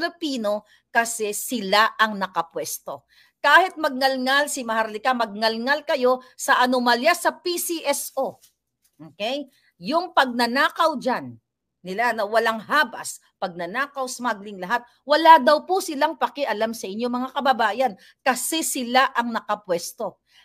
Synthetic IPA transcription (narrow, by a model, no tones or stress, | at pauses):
lɪpiːno̞ | kɐsɛsɪlaʔɐŋnɐkɐpwɛst̪o̞ | kaːhɪt̪̚mɐɡ̚ŋɐlŋalsɪmɐhaɾlɪkamɐɡ̚ŋɐlŋalkɐjo̞sɐʔɐnomaljasɐpisiʔɛsʔo | ʔoːkɛj | jʊŋpɐɡ̚nɐnaːkɐwd͡ʒanː | ɪlanɐwɐlaŋhaːbɐ̰s | pɐɡ̚nɐnaːkɐwsmaɡlɪŋlɐɦat̪̚ | wɐlad̪ɐwposɪlaŋpɐkɛʔɐlamsɐʔɪɲːomɐŋakɐbɐbaːjɐn | kɐsɛsɪlaʔɐŋnɐkɐpwɛst̪o̞